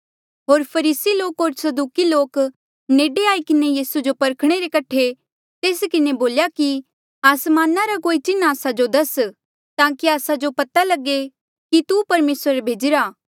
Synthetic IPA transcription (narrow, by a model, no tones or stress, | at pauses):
ɦoːɾpʰɐɾiːsiloːkɦoːɾsɐd̪uːkiloːk | neːɖeaːikɪnejiːsud͡ʒopɐɾkʰɽ̃eɾekɐʈʰe | t̪eːskɪneboːljaki | aːsmaːnaɾakoːit͡ʃɪnːaːsad͡ʒod̪ɐs | t̪ãːkiaːsad͡ʒopɐt̪alɐɡe | kit̪upɐɾmeːsɾbʱeːd͡ʒɪɾaː